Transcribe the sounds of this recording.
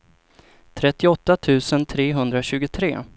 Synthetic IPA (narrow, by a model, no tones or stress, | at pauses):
t̪ʰɾɛt̪ːɪɔt̪ːat̪ʰʉ̟ːsənt̪ʰɾeːɦɵnd̪ɾaɕʉ̟ːɡʊt̪ʰɾḛː